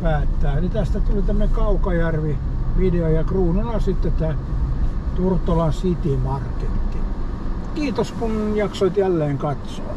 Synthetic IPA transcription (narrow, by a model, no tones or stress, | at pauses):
pæːt̪ːæːænit̪æst̪æt̪ulit̪æm̆ːnekɑukɑjærʋi | ʋideojɑkruːnulɑsit̪ːet̪æː | t̪urt̪ːolɑnsit̪imɑrket̪ːi | kiːt̪oskunjɑksoit̪jælːeːŋkɑt̪soː